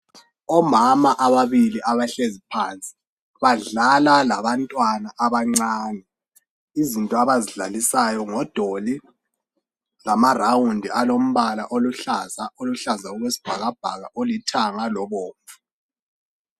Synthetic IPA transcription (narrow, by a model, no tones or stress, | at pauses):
ɔmamaʔaβaβiliʔaβaɬezipʰant͡sʼi̥ | βaɮalalaβantʼwanaʔaβaŋ͡ǀaːnɛ | izintʼɔaβaziɮa̰lisajɔŋɔd̥ʱoli | lamarawundʱiʔalom̩βalaʔoluɬazaoluɬazauɣwesi̥b̥ʱa̰ɣab̥ʱa̰ɣa̰ʔolitʰaŋalɔβɔːɱvu